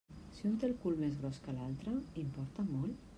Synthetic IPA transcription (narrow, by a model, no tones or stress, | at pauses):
siunt̪elkulmezɣɾɔskəlalt̪ɾəimpɔɾt̪əmɔl